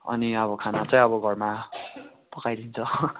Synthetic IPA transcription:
ʌ̰niʌβʌkʰanat͡sʌj̃ʌbʌɡʱʌrma | pʌkajd̪int͡sʰʌ

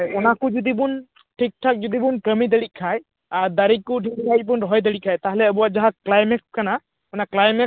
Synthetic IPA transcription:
ɔnakʊzud̪ibʊn | ʈʰik̚tʰak̚zud̪ibunkəmid̪əɽikʰaj | aɹd̪aɹikːʊʈʰikkaibʊnɹɔɦɔjd̪̬əɽikʰajt̪aɦɛlɛəbuwazaɦaklajmɛkskana | ɔnaklajmɛ

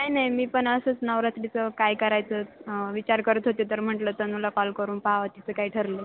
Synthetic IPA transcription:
kkajnajmiːpəɳəsəːt͡snəʋɾat̪ɾit͡səkajkəɾajt͡səːʋit͡ɕaɾkəɾət̪ɦot̪et̪əɾm̤əɳʈləːt̪əmulakɔlkəɾuːnpaʋat̪it͡səkaiʈʰəɾle

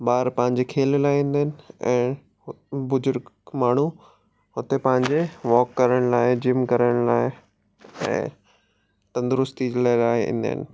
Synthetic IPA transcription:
baːɾpɐ̃ɦɪ̃ɲ̆d͡ʑekʰeːllaːɪĩn̆d̪əɦnɪ̆ɛ̃ː | bʊzʊɾɡmaːɳ̤u | ɦʊt̪epɐ̃ɦɪ̃ɲd͡ʑeʋɔːkːɐɾəɽ̃laːɪd͡ʑɪmkɐɾəɽ̃laːɪ | ɛ̰̃ː | t̪ɐ̃nd̪ʊɾʊst̪id͡ʑlaːɪlaːɪḭ̃ːn̆d̪ə̰ɦɪ̰nɪ̆

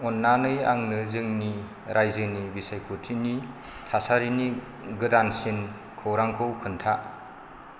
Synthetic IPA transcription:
ɔnːanɯja̰ŋnɯzɯŋni | ɾʔajzɯnibisajkʰutʰini | tʰasaɾini | ɡɯdansin | kʰɯwɾaŋkʰɯwkʰɯntʰa

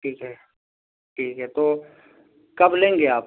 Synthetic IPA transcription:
ʈʰiːkɦɛː | ʈʰiːkɦɛːt̪oː | kɐblẽːŋɡeaːp

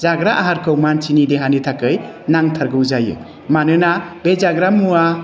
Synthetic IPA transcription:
zaɡɾaʔaɦaɾkʰɯwmant͡ʃinideɦanitʰakɯjnaŋtʰaɾɡɯwzajɯ̰ | manɯnabed͡ʒaɡɾamua

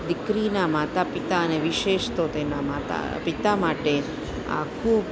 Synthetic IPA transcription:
d̪ɪkɾinamat̪apit̪aəneʋiʃeʃt̪ot̪enamat̪a̰ | pit̪amaʈe | a̰kʰub

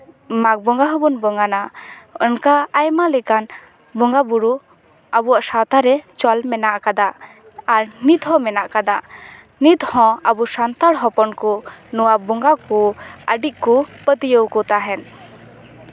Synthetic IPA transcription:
mak̚bɔŋɡaɦɔbɔnbɔŋɡanaənkaːjmalɛkan | bɔŋɡabuɾu | abuwaʔsawt̪aɾɛt͡ʃɔlmɛnaʔkad̪aː | ɾnit̪ɦɔ̃mɛnaʔkad̪a | nit̪hɔ̃abusant̪aɽɦɔpɔnkɔnɔwabɔŋɡakɔəɖiʔ̚kɔpət̪ijəwkɔt̪aɦɛn

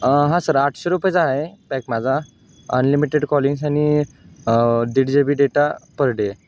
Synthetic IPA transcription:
ɦãsəɾaʈʰɕeɾupəjd͡zaɦepɛkmad͡zʱa | ənlimiʈeɖkɔliŋɡs̬ani | d̪iɽd͡ʑebiːɖeʈapəɾɽe

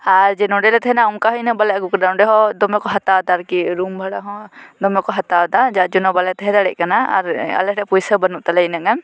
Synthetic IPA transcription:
aɾd͡ʒɛnɔɖɛlɛt̪ʰɛɦɛnaɔmkaɦɔjnəbalɛɡukɖawnɖɛɦɔd̪ɔmɔkɔɦat̪awd̪aɾkiɾumbʱaɽaɦɔ̃d̪ɔmɔkɔɦat̪awd̪ad͡ʒad͡ʒunɔbalɛt̪ɛɦɛd̪aɽɛ̰ʔ̚kanaa̰ɾa̰lɛɾɛpujsəbənuʔt̪alɛnaŋɛm

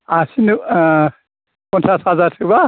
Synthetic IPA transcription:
asin | pɔnsʰashazaɾtʰɯba

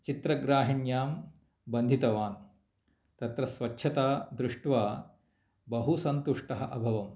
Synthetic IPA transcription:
t͡ʃit̪ɾɐɡɾaːɦiɳjaːm | bɐnd̪ʱit̪ɐʋaːn | t̪ɐt̪ɾɐsʋɐt͡ʃːʃʰɐt̪aːd̪ɾuʂʈʋaː | bɐɦusɐnt̪uʂʈɐɦɐʔɐbʱɐʋɐm

